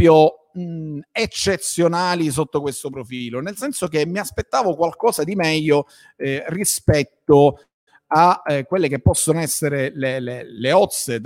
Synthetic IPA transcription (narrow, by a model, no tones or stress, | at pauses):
pjo | et͡ʃːet̪sːjonaːlis̬ot̪ːokwest̪opɾofiːlonelsɛnsok̟emːiaspet̪ːaːvokwalkɔːsad̪imɛʎːo | rispɛt̪ːo | akːwelːek̟epːɔsːonoɛsːeɾeleleleɔt̪sːe